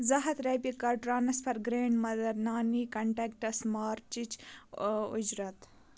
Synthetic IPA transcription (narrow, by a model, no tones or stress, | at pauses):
zɐɦɐt̪ɾɐpikɐʈɾaːnɐspʰɐɾɡɾeːɳɖmɐd̪ɐɾnaːniːkɐɳʈeːk̚ʈɐsmɑːɾt͡ʃit͡ʃ | ṵd͡ʒɾɐt̪